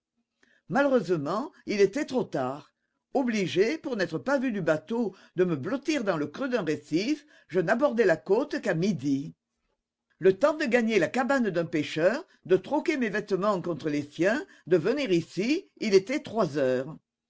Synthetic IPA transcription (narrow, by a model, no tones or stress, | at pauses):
maləʁøzəmɑ̃ilet̪ɛt̪χot̪aːʁ | ɔbliʒepuʁnɛt̪χəpavyd̪ybat̪o | d̪əməblɔt̪iʁd̪ɑ̃ləkʁød̪ɛ̃ʁesif | ʒənabɔʁd̪ɛlakot̪kamid̪i | lət̪ɑ̃d̪əɡaɲelakaband̪ɛ̃peʃœːʁ | d̪ət̪χɔkemevɛt̪əmɑ̃kɔ̃t̪χəlesjɛ̃ | d̪əvəniʁisiilet̪ɛt̪χwazœːʁ